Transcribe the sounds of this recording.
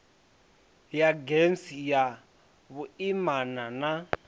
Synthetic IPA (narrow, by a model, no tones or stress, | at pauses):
jaɡensija | βuimanana